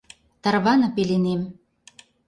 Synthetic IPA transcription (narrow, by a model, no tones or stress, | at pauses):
t̪ɑrβɑnɤ̆pelenem